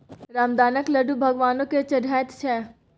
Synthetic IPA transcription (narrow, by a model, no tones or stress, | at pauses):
ɾaːmd̪aːnəklɐɖubʱɐɡʋaːnõket͡ʃɐɖaːt̪t͡ʃʰɛː